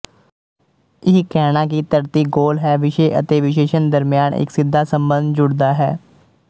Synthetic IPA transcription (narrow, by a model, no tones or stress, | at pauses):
ɪkɛːnãːk̬it̪əɾt̪iːɡoːlɦɛːʋɪʃeːʔə̰t̪eːʋɪʃeːʃənd̪əɾmɪjaːnɪ̰ksɪd̪ʱːaːsəmbə̃nd̪d͡ʒʊɽd̪aːɦɛː